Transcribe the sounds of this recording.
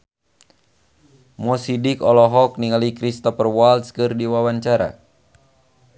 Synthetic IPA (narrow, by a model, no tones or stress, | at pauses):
mɔsidikɔlɔɦɔk̚niŋalikɾist̪ɔfərwalt̪skɨrdiwawaɲt͡ʃaɾa̰